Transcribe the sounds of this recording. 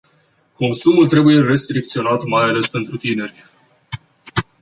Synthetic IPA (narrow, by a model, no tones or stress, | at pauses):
ko̞nsumult̪ɾe̞buje̞re̞st̪ɾik̚t̪sio̞nat̪majale̞spe̞nt̪ɾut̪ine̞rʲ